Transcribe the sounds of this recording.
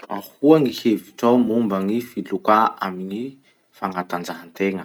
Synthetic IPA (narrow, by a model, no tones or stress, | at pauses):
a̰huaŋiheviʈ͡ʂawmumbaŋifilukaamini | faŋat̪and͡ʒaɦant̪eŋə